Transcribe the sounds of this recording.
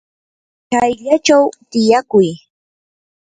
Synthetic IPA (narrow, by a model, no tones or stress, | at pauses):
kajʎat͡ʃawt̪ɪjakʊj